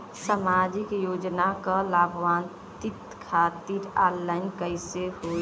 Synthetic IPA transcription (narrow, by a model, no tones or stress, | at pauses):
samad͡ʒikjod͡ʒnakəlabʱʋan | t̪it̪kʰat̪iɾalːaɪnkəjseɦo